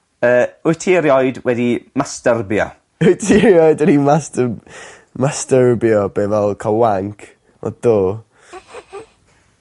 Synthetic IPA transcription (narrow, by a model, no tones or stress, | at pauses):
əːʊjtʰɪɾjɔjdwɛdimastərbjɔ̰ | ʊjtʰɪɾjɔjdənimastə | mastəɾbjɔb̥eːvɛlˠkʰalˠwaŋkʰ | ɔ̰d̥oː